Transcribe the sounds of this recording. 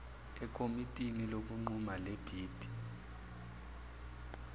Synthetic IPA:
ɛkʼomitʼinilok̬ʼuŋ͡ǃumaleb̥ʱiːd̥ʱi̥

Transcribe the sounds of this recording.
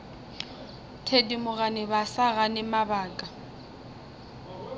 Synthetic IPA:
tʰedimʊɣanɪbasaɣanɪmabaːkʼa

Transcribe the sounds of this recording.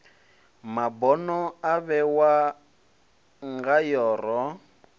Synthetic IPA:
mabɔnɔaβɛwa | ŋɡajɔːrɔ

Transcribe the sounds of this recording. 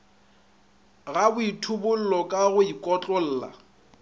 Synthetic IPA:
ɣabʊitʰʊbʊl̩lɔkʼaɣʊikʼɔt͡ɬʼɔl̩ːla̰

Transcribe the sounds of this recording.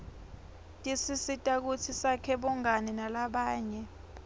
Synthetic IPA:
tʼisisitʼak̬ut͡sʰisakʰɛɓɔŋanɛnalaɓaːɲɛ

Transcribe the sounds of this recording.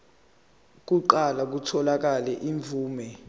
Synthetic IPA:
k̬uǃalak̬utʰɔlak̬alɛʔiɱvʱuːmɛ

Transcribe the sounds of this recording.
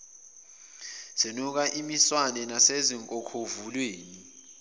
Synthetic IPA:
senuk̬aʔimiswanɛnaseziŋkʼɔkʰovulweːni

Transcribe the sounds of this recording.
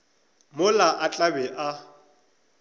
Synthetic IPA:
mʊlaʔat͡ɬʼabɛʔa

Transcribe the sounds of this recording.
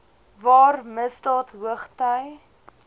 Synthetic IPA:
vɑːrməstɑːtɦəχtəj

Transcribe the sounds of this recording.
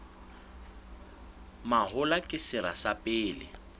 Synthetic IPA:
maɦʊlakʼɪsɪɾa̰sapʼɪːlɪ̰

